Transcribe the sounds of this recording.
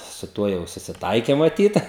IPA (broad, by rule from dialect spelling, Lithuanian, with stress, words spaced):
sʊ ˈtuɔ jɛʊ sʊsʲɪˈtɐɪkʲɛ mɐˈtʲiːt